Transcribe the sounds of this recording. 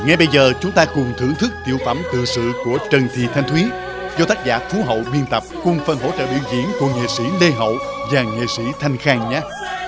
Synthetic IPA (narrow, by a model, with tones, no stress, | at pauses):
ŋɛ˨˧jɓə˧jzəː˨˩t͡ɕʊ˨˦ŋ͡mt̪aː˧kʊ˨˩ŋ͡mt̪ʰɨ˧˩əŋt̪ʰɨ˦˥k̚t̪ḭ˧˨əwfə˧˩mt̪ɨ̰˧˨sɨ̰˧˨ku˧˩ət͡ɕə˨˩nt̪ʰḭ˧˨t̪ʰa˧jŋ̟t̪ʰwi˨˦ | zɔ˧t̪aː˦˥k̚za̰ː˧˥fu˨˦ɦə̰˧˨wɓi˧ənt̪ə˨˩p̚kʊ˨˩ŋ͡mfə˨˩nɦo̰˧˥t͡ɕə̰ː˧˨wɗḭ˧˨wzḭ˧˨ənku˧˩əŋḛ˧˨sḭ˧˥le˧ɦə̰˧˨wvaː˨˩ŋḛ˧˨sḭ˧˥t̪ʰa˧jŋ̟xaː˧˩ŋɲaː˧˦